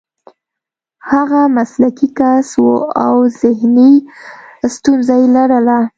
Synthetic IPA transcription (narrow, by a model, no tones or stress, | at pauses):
haɣamaslakikaswoawzɪhni | st̪unzajelaɽəla